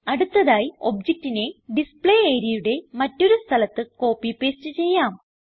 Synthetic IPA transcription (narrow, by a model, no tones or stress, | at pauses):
ɐɽut̪ːɐðaːjio̞̰bd͡ʑek̚tːine̞ɖispɭejeːɾjɐjuɽe̞mɐtːo̞ɾust̪ʰɐlɐt̪ːɨko̞ːpːipːe̞ːstɨt͡ɕe̞jːaːm